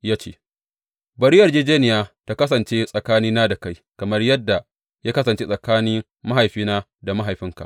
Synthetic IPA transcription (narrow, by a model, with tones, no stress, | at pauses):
jaː˦t͡ʃḛː˦ | bɐ˨ɾi˦jɐ˨rd͡ʒeː˦d͡ʒeː˦nɪ˨jaː˦ta˦kɐ˦sɐ˨nt͡ʃeː˦sʼɐ˨kaː˦niː˦naː˦da˨ka˦jkɐ˨mɐ˦rjɐ˦dːa˨ | jaː˦kɐ˦sɐ˨nt͡ʃeː˦sʼɐ˨kaː˦nɪ˦ŋ | ma˦ɦa˨jɸiː˦naː˦ | da˨ma˦ɦa˨jɸɪ˦ŋka̰˨ʔ